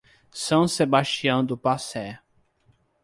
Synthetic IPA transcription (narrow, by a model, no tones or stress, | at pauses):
sɐ̃w̃sebaʃt͡ʃiɐ̃w̃d̪ʊpasɛ